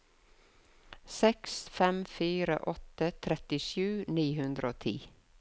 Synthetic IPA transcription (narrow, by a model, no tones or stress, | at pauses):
sɛksfɛmfiːɾə̰ʔɔt̪ət̪ʰɾɛt̪ɪʃʉːniːhʉnd̪ɾəoːt̪ʰḭː